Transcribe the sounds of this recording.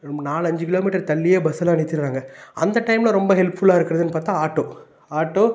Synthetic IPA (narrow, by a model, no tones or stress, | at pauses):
ɐmɐnaːlɯɐɲd͡ʒɯkɪloːmiːʈːɐɾt̪ɐlːɪjeːbɐsɐlãːɐnɪt̪ːɪɾɾaːŋɡɐɐ̰nd̪ɐʈːɐɪmlɐ̃ɾɔmbɐɦɛlpfʊɭaːɪɾɯkːɪɾɐðɯnːɯpaːɾt̪ãːaːʈːoː | aːʈːoː